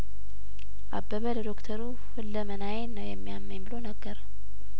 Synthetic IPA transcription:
ʔabːəβələd̪okt̪ʰəɾu | fɨlːəmənajenːəwjɛmːijamːəɲbɨlonəɡːəɾ

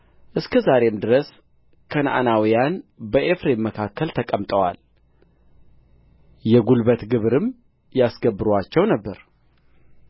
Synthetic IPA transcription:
ʔɨskʰəzaɾe̞md̪ɨɾəs | kʰəna̰nawijanbəʔefɾe̞mːəkʰakːəlt̪ʰəkʼəmt̪ʼəwa̰l | jɛɡulbət̪ɡɨβɾɨm | jasɡəbːɨɾwat͡ʃːɛwnəbːəɾ

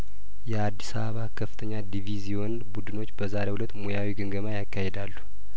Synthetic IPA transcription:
jɛad̪ːisaβəβakʰəfːɨt̪ʰəɲːad̪ivizijɔn | bud̪ɨno̞t͡ʃːbəzaɾehulət̪ːmojawiɡɨŋɡəmajakːahed̪alːu̥

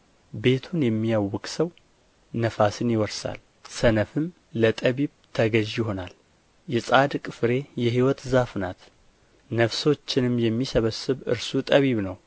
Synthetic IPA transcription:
be̞t̪ʰunjɛmːijawːɔkʼsəw | nəfasɨnjɪwɔɾsa̰l | sənəfɨm | lət̪ʼəβiβt̪ʰəɡəʒjɪɦo̞nal | jɛsʼad̪kʼɨfɾe̞jɛɦiwɔt̪zafnat̪ | nəfso̞t͡ʃːɪnɨmjɛmːisəβəsɨβɨ̰ɾsut̪ʼəβiβnəw

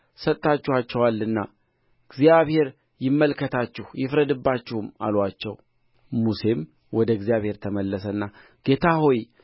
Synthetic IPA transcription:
sət̪ʼt̪ːat͡ʃːuhat͡ʃːɛwalːɨnːa | ɡzijaβhe̞ɾ | jɪmːəlkʰət̪ʰat͡ʃːɪhjɪfɾəd̪ɨbːat͡ʃːɪhuma̰lwat͡ʃːɛw | muse̞m | wɔd̪əɡzjaβhe̞ɾt̪ʰəməlːəsəɨnːa | ɡ̥e̞t̪ʰaho̞j

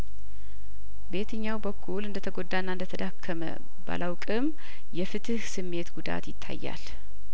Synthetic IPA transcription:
be̞t̪ʰɨɲːawbəkʰːulɨnd̪ət̪ʰəɡo̞d̪ːanːaɨnd̪ət̪ʰəd̪akʰːəmə̰ | ba̰lʔawkʼɨm | jɛfɨt̪ʰɨhsɨmːe̞t̪ɡud̪a̰t̪jɪt̪ʰːa̰jːa̰l

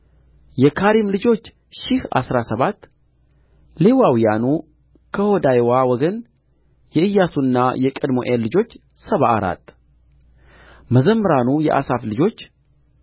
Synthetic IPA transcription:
jɛkʰaɾimlɨd͡ʒo̞t͡ʃː | ʃɪha̰sɾasəβat̪ː | le̞wawijanu | kʰəhod̪ajwawɔɡən | jɛɨjːasunːa̰jɛkʼəd̪mo̰ʔelːɨd͡ʒo̞t͡ʃː | səβaʔaɾa̰t̪ː | məzəmːəɾanujɛ̰ʔa̰saflɨd͡ʒo̞t͡ʃː

